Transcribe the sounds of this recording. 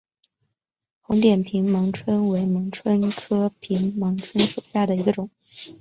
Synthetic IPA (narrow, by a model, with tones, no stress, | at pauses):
xʊ˧˥ŋt̪jɛ˨˩npʰi˧˥ŋmɤ˧˥ŋʈ͡ʂʰwə˥nwe˧˥ɪmɤ˧˥ŋʈ͡ʂʰwə˥nkʰɤ˥pʰi˧˥ŋmɤ˧˥ŋʈ͡ʂʰwə˥nsu˨˩ɕja˥˩d̪ə˩i˧˥ɡə˧ʈ͡ʂʊ˨˩˦ŋ